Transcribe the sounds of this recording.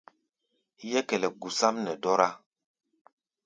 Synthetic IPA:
jɛ˦kɛ˨lɛ˨ɡu˨sa˦mnɛ˨dɔ˦ɾa˦

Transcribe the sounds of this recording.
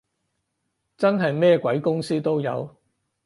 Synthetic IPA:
t͡sɐ˥nɦɐ˨jmɛː˥kʷɐ˨˥jkʊ˥ŋsiː˥t̪o˥wjɐ̰˨˧w

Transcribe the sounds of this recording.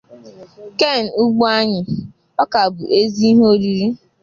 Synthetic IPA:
ke˦˨n̩˨u˦ɡ͡bu˦a˦ɲɪ˨ | ɔ˦ka˨bʊ˨ʔe˦zi˦i˦ɦe˦o˦ɾi˨ɾi˦

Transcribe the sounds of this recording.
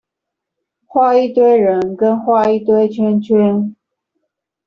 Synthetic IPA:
xwa˥˧i˥˧t̪we˥ɪɻə˧˥nkə˥nxwa˥˧i˥˩t̪we˥ɪt͡ɕʰɛ˥nt͡ɕʰi˥n

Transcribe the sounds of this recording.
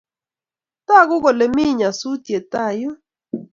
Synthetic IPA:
ta˦˨ɡʊ˦ɣɔ˨le˨mi˦˨ɲa˨su˦tje˨ta˦˨jʊ˦

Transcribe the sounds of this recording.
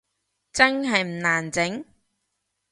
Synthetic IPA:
t͡sɐ˥nɦɐ˨jm̩˨˩naː˨˩nt͡sɪ˨˥ŋ

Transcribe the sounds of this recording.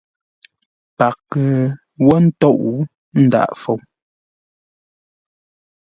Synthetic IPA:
pa˨kːə˨ | wɔ˦n̩˦tɔ˦ʔu˦ | n̩˦da̰˦˨ʔfo˨w

